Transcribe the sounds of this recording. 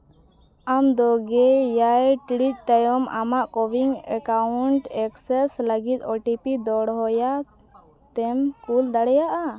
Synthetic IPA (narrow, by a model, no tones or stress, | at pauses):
amd̪ɔɡɛjajʈiɽic̚ˀt̪ajɔma̰maʔkɔwiŋɛ̰kauɳʈɛksɛsləɡit̪̚ˀɔʈipid̪ɔɽɦɔja | t̪ɛmkuld̪aɽɛjaʔa